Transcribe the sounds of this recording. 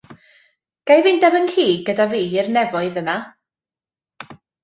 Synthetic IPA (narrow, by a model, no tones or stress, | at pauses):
ɡ̥ajvɪndɛvənhʰiːɡədaviːɪrnɛvɔɨðəma